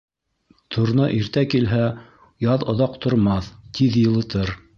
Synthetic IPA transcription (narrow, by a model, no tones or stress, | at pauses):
t̪ʰŏɾnɤʔiɾt̪ækilɦæ | jɑðŏðɑqt̪ŏɾmɑθt̪ʰiðjɤ̆lˠɤ̆t̪ɤɾ